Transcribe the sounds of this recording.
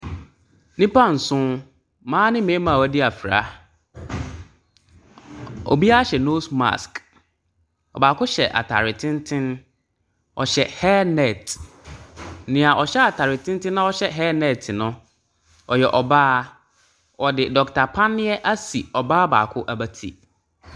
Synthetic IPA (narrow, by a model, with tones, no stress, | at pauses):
nĩ˦pã˦n̩˨sʊ̃˦ | mãː˦nɪ̃˦mẽ˨˦mã˦˨wɔ˦dɪ˦a˨fɾa̰˦ | ɔ̰˨bi˦a˦ɕɛ˨no˦sma̰˨sk | ɔ̰˨baː˨kʰʊ˦ɕɛ˨ʔa̰˨tʰa̰˨ɾɪ˨tʰɪ̃˦ntʰɪ̃˦n | ɔ̰˨ɕɛ˨hɛ˦nɛ˨t | nɪ̃˨a˨ʔɔ˨ɕɛ˦a˨tʰa˨ɾɪ˨tʰɪ̃˦n˦tɪ̃˦nːã˦ɔ˦ɕɛ˦ɦɛ˦nɛ˦˨tʰɪ˨nʊ̃˦ | ɔ˨jɛ˨ʔɔ˨baː˦ | wɔ˨dɪ˨dɔ˨ktʰa˨pʰã˦nːɪ̃˦ɛ˦ʔa˦si˨ɔ˨baː˦ba̰ː˨kʰʊ˦ʔa˨bæ˦tʰḭ˦